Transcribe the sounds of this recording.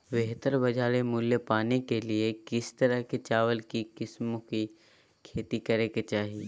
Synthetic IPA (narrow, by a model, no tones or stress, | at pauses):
beɦt̪əɾbɐd͡ʒʱaːɾemʊljəpaːnekeliekɪst̪ɐɾəɦket͡ʃaːʋəlkikɪsmõki | kʰeːt̪ikɐɾeːket͡ʃaːɦie